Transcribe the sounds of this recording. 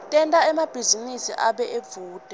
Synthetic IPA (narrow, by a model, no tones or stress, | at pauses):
tʼɛntʼaɛmab̥ʱizinisḭʔaɓɛʔeb̪v̥uːd̥ʱɛ